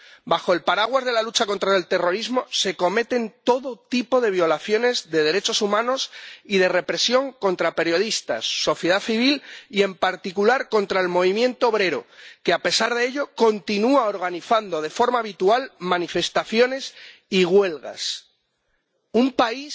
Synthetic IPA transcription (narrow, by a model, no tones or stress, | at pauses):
baxo̞elpaɾaɣwazðe̞lalut͡ʃako̞nt̪ɾaelt̪e̞ro̞ɾizmo̞se̞ko̞me̞t̪e̞nt̪o̞ðo̞t̪ipo̞ðe̞βjo̞laθjo̞ne̞zðe̞ð̞e̞ɾe̞t͡ʃo̞sumãno̞sið̞e̞re̞pɾe̞sjo̞ŋko̞nt̪ɾape̞ɾjoð̞ist̪a̰sːo̞θje̞ðaθiβilie̞mpaɾt̪ikulaɾko̞nt̪ɾaelmo̞β̞imje̞nt̪oːβ̞ɾe̞ɾo̞̰keape̞saɾð̞eeʎo̞ko̞nt̪inuao̞ɾɣ̞aniθand̪o̞ðe̞fo̞ɾmaːβ̞it̪ualmãnife̞st̪aθjo̞ne̞siɣwe̞lɣa̰s | umpais